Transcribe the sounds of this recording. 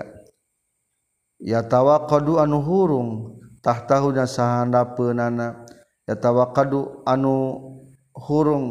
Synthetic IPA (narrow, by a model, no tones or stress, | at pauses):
jat̪awakɔduanuɦuɾuŋt̪aht̪aɦuɲasaɦandapənana | jat̪awakaduanu | huɾuŋ